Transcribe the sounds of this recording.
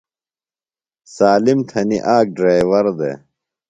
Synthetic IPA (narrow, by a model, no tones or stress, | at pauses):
saːlimt̪ʰɐniʔaːk̚ɖɾaːjwɐɾd̪ḛ